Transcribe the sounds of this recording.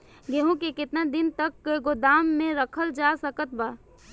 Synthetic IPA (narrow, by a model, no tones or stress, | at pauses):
ɡeɦõkekɪt̪nad̪ɪnt̪əkːɡod̪aːmːẽɾəkʰəld͡ʒasəkət̪̚baː